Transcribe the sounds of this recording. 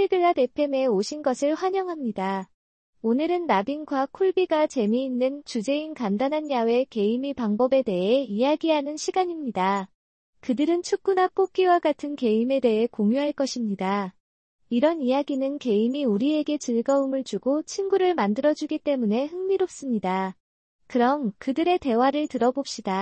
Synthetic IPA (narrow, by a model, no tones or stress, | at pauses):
eɭɡɯɭːate̞pʰe̞me̞oɕʰinɡʌsʰɯɭɸwaɲʌŋɦamɲida | onɯɾɯnːabinɡwakʰuɭbiɡat͡ɕe̞miinːɯnt͡ɕud͡ʑe̞inkandanɦanjawe̞ke̞imipaŋbʌbe̞de̞ɦe̞ijaɡiɦanɯnɕʰiɡaɲimɲida | kɯdɯɾɯnt͡ɕʰuk̚k͈unak͈ok̚k͈iwaɡatʰɯnke̞ime̞de̞ɦe̞koŋjuɦaɭk͈ʌɕʰimɲida | iɾʌnijaɡinɯnke̞imiuɾie̞ɡe̞t͡ɕɯɭɡʌumɯɭt͡ɕuɡot͡ɕʰinɡuɾɯɭmandɯɾʌd͡ʑuɡit͈e̞mune̞hɯŋmiɾop̚s͈ɯmɲida | kɯɾʌmkɯdɯɾe̞te̞waɾɯɭtɯɾʌbop̚ɕ͈ida